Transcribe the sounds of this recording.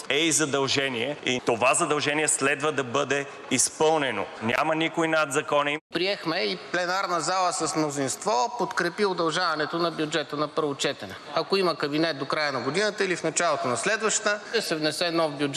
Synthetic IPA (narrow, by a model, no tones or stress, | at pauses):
ɛizɐd̪ɐlˠʒɛniɛit̪ovazɐd̪ɐlˠʒɛniɛslɛd̪vəd̪ɐbɤd̪ɛ | ispɤlˠnɛno̰nʲa̰mɐnikoinad̪zɐkɔnipɾiɛxmɛiplɛnaɾnəzalˠəsəsmnozinst̪vɔpot̪kɾɛpiod̪ɐlˠʒavɐnɛt̪onɐbjud͡ʒɛt̪ənɐpɤɾvot͡ʃɛt̪ɛnɛɐkoiməkɐbinɛt̪̚d̪okɾajənɐɡod̪inət̪əilifnɐt͡ʃalˠot̪onɐslɛd̪vəʃt̪əɛsɛvnɛsɛnɔvbjud͡ʒ